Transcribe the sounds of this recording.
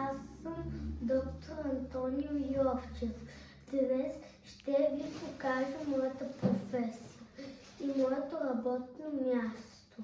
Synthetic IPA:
asːəmd̪ɔkt̪ʰoɾɐnt̪ɔniojɔft͡ʃɛf | d̪̥nɛs | ʃt̪ɛvipokaʒəmɔjət̪əpɾofɛsijə | imɔjɛt̪oɾɐbɔt̪̚nomʲjast̪o

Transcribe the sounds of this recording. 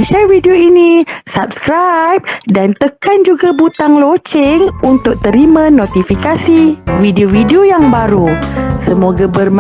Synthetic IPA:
ʃɛrvidioinisap̚skɾajp̚dant̪əkand͡ʒuɡabut̪aŋlot͡ʃɪŋunt̪ʊk̚t̪əɾimãnõt̪ifikasividiovidiojaŋbaɾusəmoɡabərm

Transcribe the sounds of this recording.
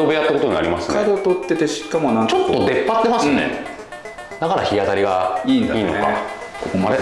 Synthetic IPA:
obejat̪ːako̞t̪oɲinaɾʲimasɨkad̪ot̪ot̪ːet̪eɕi̥kːamonãŋt͡ɕot̪ːod̪e̞pːat̪ːe̞masɨ̃nḛ | d̪akaɾaçijat̪aɾʲiɡaiːnd̪a̰iːnoeka̰kokomaɾe

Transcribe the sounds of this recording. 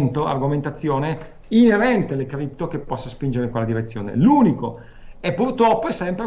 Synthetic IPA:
nt̪oa̰rɡoment̪at̪sːjoːne | ineɾɛnt̪elekɾip̚t̪okepːɔsːaspind͡ʒeɾeiŋkwelːad̪iɾet̪sːjo̰ːnḛluːniko | ɛpːurt̪ɾɔpːoɛsɛmpɾ

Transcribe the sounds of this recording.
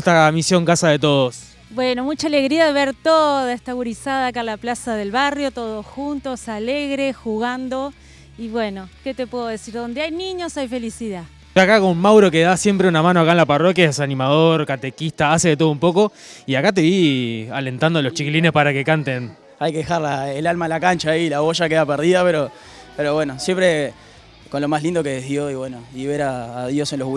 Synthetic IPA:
t̪amisjo̞ŋkasaðe̞t̪o̞ð̞os | bweno̞mut͡ʃaːleɣɾiaðeβe̞ɾt̪oðaest̪aɣuɾisaðaːkaenlaplasaðe̞lβarjo̞t̪oðosxunt̪o̞saleɣɾexuɣand̪o | iβwe̞no̞ke̞t̪epweðoðesiɾðo̞nd̪eajniɲo̞sajfe̞lisiða | ojakakommawɾo̞keðasjempɾeunamãnoakaenlaparokjaesanĩmaðo̞ɾkat̪ekist̪aaseðet̪o̞ð̞oumpo̞ko̞ | iakat̪̬e̞βiale̞nt̪and̪oloht͡ʃikilinespaɾake̞kant̪e̞n | ajkeðexaɾlaelalmalakant͡ʃaːilaβoʃakeðapeɾð̞iðapeɾo̞ | peɾoβwenosjempɾe | ko̞nlo̞maslind̪o̞keeðjoiβwenoiβe̞ɾaːðjo̞senlo

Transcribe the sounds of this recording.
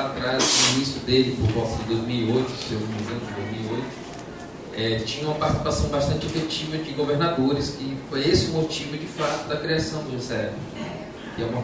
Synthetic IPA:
at̪ɾazminisʊd̪elɪpʊɾkɔ̃sɪ̃d̪ojzmiwiojt̪ʊsewmĩnizẽd̪ojzmiwiojt̪ʊ̥ | ɛt͡ʃĩɲɐ̃ũmɐpaɾt̪isi̥pasɐ̃w̃baʃt̪ɐ̃nt͡ʃefet͡ʃivɐd͡ʒɪɡoveɾnad̪oɾɪskɪfojesɪmot͡ʃivʊd͡ʒɪfat̪ʊd̪ɐkɾiasɐ̃w̃d̪ʒesɛvɪ | kɪɛũmɐ

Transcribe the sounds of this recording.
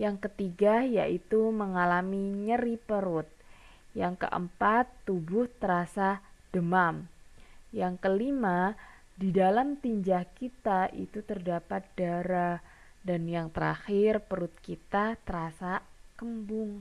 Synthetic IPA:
jaŋkət̪iɡaja̰ʔit̪uməŋalamiɲəɾipəɾʊt̪̚ | jaŋkə̰ʔə̰mpat̪ːubʊht̪əɾasad̥əmam | jaŋkəlima | didalamt̪iɲd͡ʒahkit̪aʔḭt̪ut̪ərdapat̪̚d̥aɾa | danjaŋt̪əɾa̰xɪrpəɾʊt̪̚kit̪at̪əɾasakəmbʊŋ

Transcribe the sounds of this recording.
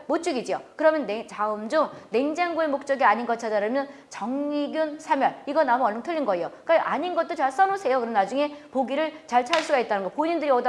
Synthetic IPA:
mot͡ɕ͈uɡid͡ʑiokɯɾʌmjʌnet͡ɕaɯmd͡ʑomnend͡ʑaŋɡuemok̚t͡ɕ͈ʌɡiaɲinɡʌt͡ɕʰadaɾɯmjʌnt͡ɕʌŋɲiɡjunsʰamjʌɭiɡʌnamuʌɭʌŋtʰɯʎːinɡʌejokaʔaɲinɡʌt͈̚ot͡ɕaɭs͈ʌnosʰe̞jokɯɾmnad͡ʑuŋe̞poɡiɾɯɭt͡ɕaɭt͡ɕʰaɭs͈uɡait̚t͈anɯnɡʌpoɲindɯɾiʌda

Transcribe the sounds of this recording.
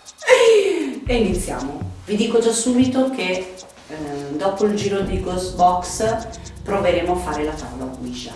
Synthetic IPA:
einit̪sːja̰ːmovid̪iːkod͡ʒasuːbit̪oke | d̪ɔːpoild͡ʒiːɾod̪ejɡosbɔkspɾoveɾeːmoafːaːɾelat̪aːolakumiʃa̰

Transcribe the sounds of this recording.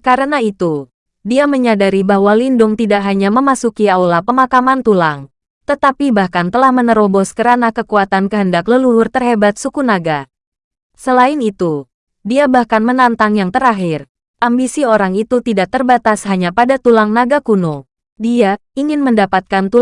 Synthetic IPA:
kaɾənait̪u | diaməɲadaɾibawalindʊŋt̪idaʔɦaɲaməmasukiawlapəmakamant̪ulaŋ | t̪ət̪apibahkant̪əlahmənəɾobɔskəɾanakəkuat̪ankəɦəndakləluɦʊrt̪ərɦebat̪̚sukunaɡa | səlaɪnit̪u | diabahkanmənant̪aŋjaŋt̪əɾaɦɪr | ʔambisioɾaŋit̪ut̪idaʔ̚t̪ərbat̪asɦaɲapadat̪ulaŋnaɡakuno | diaiŋɪnməndapat̪̚kant̪u

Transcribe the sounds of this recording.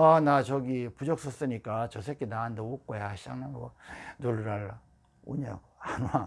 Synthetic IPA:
anat͡ɕʌɡipud͡ʑʌk̚s͈ʌs͈ɯɲik͈at͡ɕʌsʰekʰinaːndʌok̚k͈ojaɕʰid͡ʑa̰ŋnanɡʌnoɭɾaɭːa | oɲa̰ | anua

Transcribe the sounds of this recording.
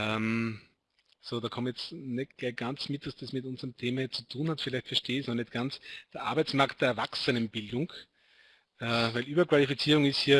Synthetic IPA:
ʔɛm | soːdɑːkʰɔmjɛt͡snɛtɡ̥læɪçɡ̥ant͡smɪtd̥asd̥esmɪtʊnzəʁəmtʰeːmɐhit͡su̥tʰuːnhatfɪlæɪçtfɛɐʃteːɪçnɔnɛtɡ̥ant͡sd̥eɐʔa̰ɐbæɛɪt͡smaɐkt̚d̥eːɐɐvaksənənb̥ɪldʊŋ | ʔɛvæɪlʔyːbɐkv̥alifit͡siːʁʊŋɪsthiːɐ

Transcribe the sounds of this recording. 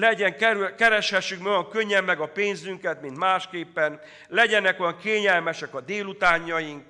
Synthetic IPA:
lɛɟɛŋkkɛɾɛʃhɛʃːykmɛojɒŋkø̞ɲːɛmːɛɡɒpeːnzyŋkɛt̪mint̪maːʃkeːpːɛn | lɛɟɛnɛkojɒŋkeːɲɛlmɛʃɛkɒd̪eːlut̪aːɲːɒjiŋk

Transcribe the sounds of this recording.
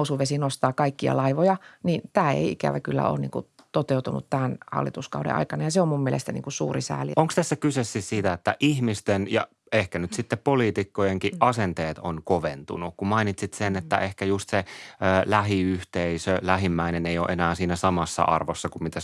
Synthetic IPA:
usuʋesinost̪ɑːkɑikːiɑ̰lɑiʋojɑniːnt̪æːḛiikæ̰ʋækylːæ̰o̰ːnḭːŋku | t̪ot̪eut̪unṵt̪t̪æːnhɑ̰lːit̪uskɑ̰udḛʔɑ̰ikɑnɑjɑseommummielḛst̪ænḭːŋkusṵːrisæ̰ːlioŋkst̪æsːækysesːissiːt̪æet̪ːæʔihmist̪enjɑ̰ | ehkænyt̪sit̪ːeppoliːt̪ikːojeŋkiʔʔɑsent̪eːt̪onkoʋent̪ṵnukkumɑinit̪sit̪senet̪ːæʔehkæjust̪seəːlæɦiyht̪eisølæɦimːæineneijo̰ːʔenæːsiːnæsɑmɑsːɑ̰ʔɑrʋosːɑkummit̪æ

